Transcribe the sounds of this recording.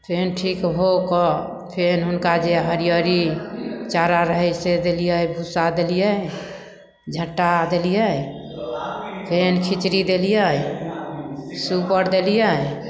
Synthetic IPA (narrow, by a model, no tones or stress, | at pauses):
pʰenʈʰikɦokɔ | pʰenɦunkad͡ʒeɦəɾijəɾit͡ʃaɾaɾəɦəjsed̪elijəjbʱusad̪elijə | d͡ʒʱəʈːad̪elijəj | pʰenkʰit͡ʃɾid̪elijə | supəɾd̪elijə